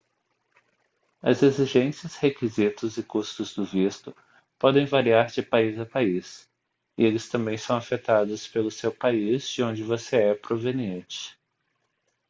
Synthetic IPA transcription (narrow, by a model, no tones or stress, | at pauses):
ɐ̰zeziʒẽsiɐshekizit̪ʊzɪkust̪ʊzd̪ʊvist̪ʊ | pɔd̪ẽj̃vaɾiaɾd͡ʒɪpaizɐpais | ɪ̰elɪst̪ɐ̃mbẽj̃sɐ̃w̃afet̪ad̪ɐspelʊsewpaizd͡ʒɪõd͡ʒɪvoseɛpɾovẽniẽnt͡ʃɪ̥